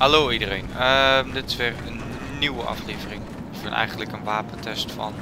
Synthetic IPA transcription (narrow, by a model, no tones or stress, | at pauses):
haloːidərejnəmdɪtɪ̥sʋɪːrənː | iwəʔɑ̰fleːvərɪŋ | ɪfɪnʔɛ̰jχəndləkənʋaːpəntʰɛstfɑ̰n